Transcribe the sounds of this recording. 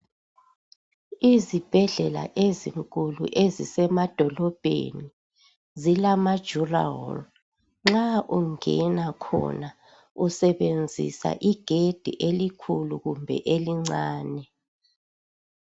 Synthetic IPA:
izib̥ʱɛɮɛla̰ʔeziŋkʼulṵʔezisɛmad̥ʱɔlɔb̥ʱḛni | zilamḁʒ̥ura̰ɔ̰l | ŋ͡ǁaʔuŋɛ̰nakʰɔ̰na | usɛβend͡zʱḭsa̰ʔiɡ̥ʱed̥ʱḭʔelikʰuluɣumbʱɛ̰ʔeliŋ͡ǀaːnɛ

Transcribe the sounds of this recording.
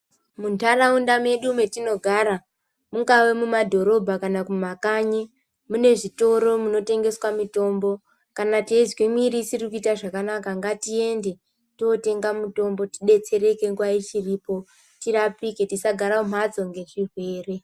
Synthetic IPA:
muntaraundame̞ɗume̞tino̞ɡʱaɾa | muŋɡawemumadʱo̞ɾo̞bʱakanakumakaɲe | mune̞ʐito̞ɾo̞muno̞te̞ŋɡe̞swamito̞mbo̞ | kanateizwimiɾisirikuitaʐakanakaŋɡatie̞nde | tote̞ŋɡamuto̞mbo̞ti̥ɗe̞t͡se̞ɾe̞ke̞ŋɡwait͡ʃiriːpo̞ | tirapike̞tisaɡʱaɾaom̤at͡so̞ŋɡe̞ʐirwe̞ːre̞

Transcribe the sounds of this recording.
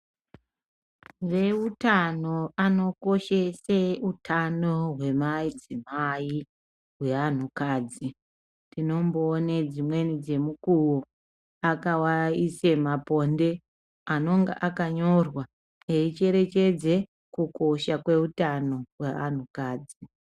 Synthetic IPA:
ʋe̞utano̞ano̞ko̞ʃeseutʰano̞ɦwe̞maid͡zimai | ɦwe̞an̤ukaːd͡zi | dino̞mboːned͡zimwe̞nid͡ze̞mukuwo | akawaisemapo̞nde̞ | ano̞ŋɡa̰ʔakaɲo̞rwa | eit͡ʃe̞ɾe̞t͡ʃe̞d͡ze̞ | kuko̞ʃakwe̞utano̞wean̤ukaːd͡zi

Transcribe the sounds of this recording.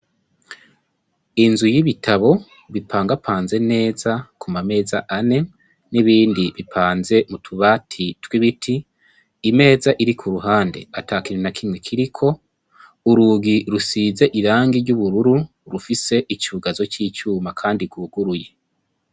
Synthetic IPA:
inzujiβitʰaβo̞ | βipʰaːŋɡapʰaːnze̞ne̞ːzakʰumame̞ːza̰ʔane̞ | niβiːndiβipʰaːnze̞mutʰuβaːtʰitwiβitʰiː | me̞ːzaʔiɾikʰuɾuɦaːnde̞̰atʰaːkiɾinakʰimŋe̞kʰiɾikʰo̞ | uɾuɡiɾusiːze̞ʔiɾaːŋɡiɾɟuβuɾuɾu | ɾufise̞ʔit͡ʃuːɡazo̞ciːt͡ʃuːmakʰaːndiɡuɡuɾuje̞

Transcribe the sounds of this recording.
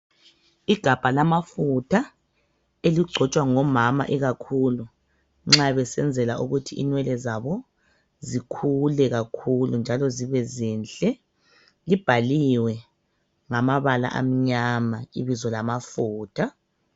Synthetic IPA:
iɡ̥ʱab̥ʱalamafutʰa | eliɡ͡ǀʱɔt͡ʃʼwaŋɔmama̰ʔɛɣakʰulu | ŋ͡ǁaβɛsɛnd͡zʱɛlaʔuɣutʰiinwɛlɛzaβɔ | zikʰulɛɣakʰulund͡ʒʱalɔziβɛziːnɬʼɛ | lib̥ʱaliwɛ | ŋamaβala̰ʔa̰m̩ɲamaiβizɔlamafuːtʰa

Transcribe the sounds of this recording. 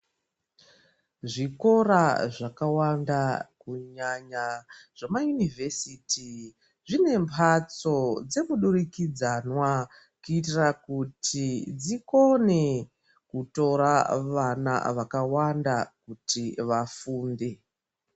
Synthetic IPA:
ʐiko̞ɾaʐakawandakuɲaɲaʐ̥amajunivʱe̞siti | ʐine̞mpʰat͡so̞d͡ze̞muɗurikid͡zanwa | kuitirakutʰid͡ziko̞ne̞ | kuto̞ɾaʋana̰ʋakawandakutiʋafuːnde̞

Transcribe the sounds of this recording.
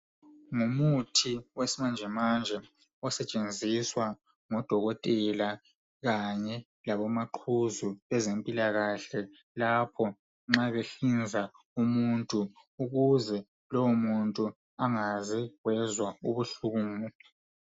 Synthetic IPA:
ŋumutʰiwesimand͡ʒʱɛmand͡ʒʱɛ | ɔsɛt͡ʃʼend͡zʱiswa | ŋɔd̥ʱɔɣɔtʼɛla | ɣaɲɛ | laβɔmaǃʰuzuɛzempʼilaɣaɬɛ | lapʰɔ | ŋ͡ǁaβeɬind͡zʱa | umuntʼu | uɣuzɛ | lɔwɔmuntʼu | aŋazɛwɛzwauβuɬuːmu

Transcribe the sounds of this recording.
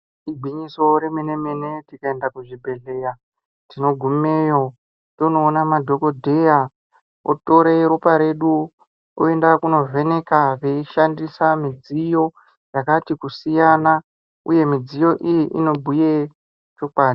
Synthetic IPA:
iɡʱiɲiso̞ɾe̞menemenetikaendakuʐibʱe̞ɮe̞ja | tino̞ɡʱumejo | to̞no̞ːnamadʱo̞ko̞dʱe̞ja | o̰to̞ɾeɾupaɾe̞ɗu | o̰e̞ndakuno̞vʱe̞ne̞kaʋe̞iʃandisamid͡zijo̞ | jakatikusijana | uje̞mid͡zijo̞ʔijiʔḭno̞bʱuje | t͡ʃo̞kwaːi

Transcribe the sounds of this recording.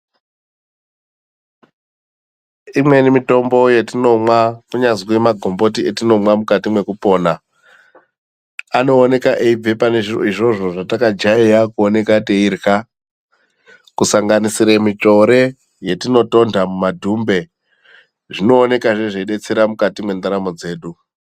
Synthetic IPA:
imwe̞nimito̞mbo̞je̞tino̞mwakuɲazwemaɡʱo̞mbo̞t̬ietino̞mwamukatimwe̞kupo̞ːna | ano̞ːne̞kaʔeib͡vepane̞ʐiro̰iʐo̞ʐo̞ʐatakad͡ʒaiakuone̞kateirka | kusaŋɡanisiɾemito̞ɾe̞ | je̞tino̞to̞ndʱamumadʱumbe̞ | ʐino̞ːne̞kaʐe̞ʐeiɗe̞t͡seɾamukatimwe̞ndaɾamo̞d͡ze̞ːɗu

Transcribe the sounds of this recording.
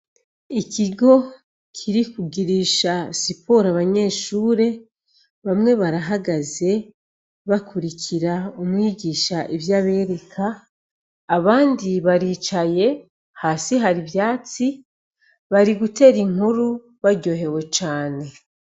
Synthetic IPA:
icʰiɡo̞ | kʰiɾikuɡiɾiʃasipo̞ɾaβaɲe̞ːʃuːɾe̞ | βamŋe̞βaɾaɦaɡaze̞ | βakuɾicʰiɾaumwiːɟiːʃaʔivjaβe̞ːɾe̞kʰaː | βaːndiβaɾiːt͡ʃaje̞ | haːsiɦaɾiβjaːt͡si | βaɾiɡute̞ːɾiŋuɾu | βaɾɟo̞ɦe̞we̞t͡ʃaːne̞

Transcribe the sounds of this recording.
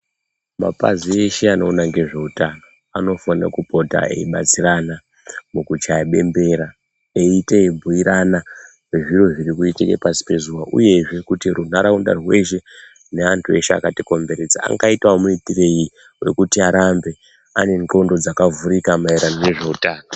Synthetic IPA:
ma̰pa̰zie̞ʃeano̞unaŋɡe̞ʐe̞utano̞ | ano̞fanira̰kupo̞ta̰ḛiɓat͡sirana | mukut͡ʃajaɓe̞mbe̞ɾa | eiteebʱuiɾana | weʐiro̞ʐirikuitikḛpasi̥pe̞zuwaʔṵje̞ʐe̞kutirun̤aɾaunda̰rwe̞ʃe̞ | neantʰue̞ʃea̰katiko̞mbe̞ɾed͡zaa̰ŋɡaitwamuitire̞ji | we̞̰kutiaɾambe̞ | ane̞nko̞ndo̞d͡zakavuɾikamaiɾanone̞ʐe̞utaːno

